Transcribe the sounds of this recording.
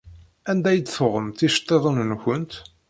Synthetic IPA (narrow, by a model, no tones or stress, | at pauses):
ænd̪æjəd̪θʊʁəmt̪ːiʃt̪ˤːeðˤənnçənt̪